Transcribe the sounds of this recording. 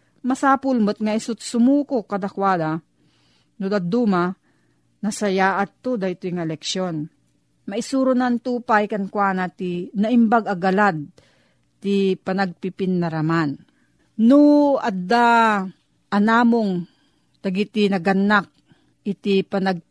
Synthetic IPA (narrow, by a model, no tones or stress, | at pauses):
mɐsaːpʊlmot̪̚ŋaisʊt̪̚sʊmuːkokːɐd̪akwaːd̪a | nʊd̪ad̪uma | nɐsɐjaʔat̪ːod̪aɪt̪ojŋalɛkʃjon | mɐʔisuɾʊnant̪uːpajkɐnkwaːnat̪inɐɪmbaɡɐɡɐlad̪̚ | t̪ipɐnɐɡ̚pipɪnːɐɾɐman | nuad̪a | ʔɐnaːmoŋ | t̪ɐɡit̪inɐɡɐnːak̚ | ʔɪt̪ipɐnɐɡ̚